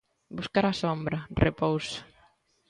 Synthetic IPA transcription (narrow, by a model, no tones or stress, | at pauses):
buskaɾasombɾɐrepowsḁ